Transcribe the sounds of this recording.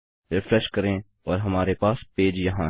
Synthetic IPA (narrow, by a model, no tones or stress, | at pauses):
ɾɪfɾɛʃkɐɾẽ | ɔːɾɦɐmaːɾepaːspeːd͡ʒjɐɦãː